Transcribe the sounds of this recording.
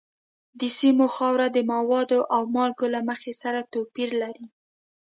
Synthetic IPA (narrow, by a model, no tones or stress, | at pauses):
d̪əsimoxɑwɾad̪əmawɑd̪oʔawmɑlɡolaməxesaɾat̪opiɾlaɾi